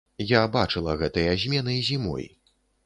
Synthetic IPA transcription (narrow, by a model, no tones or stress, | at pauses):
jabat͡ʂɨlˠɐɣɛt̪ɐjɐzʲmʲɛnɨjzʲimɔ̰j